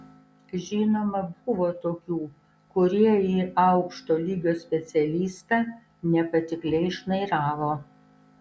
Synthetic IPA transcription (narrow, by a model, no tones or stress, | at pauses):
ʒʲiːnoːmɐbʊʋoːt̪oːkʲuː | kʊɾʲiɛiːʔɐʊkʃt̪oːlʲiːɡʲoːsʲpʲɛt̪sʲɛlʲiːst̪ɑː | nʲɛpɐt̪ʲɪklʲɛɪɪʃnɐɪɾɑːʋoː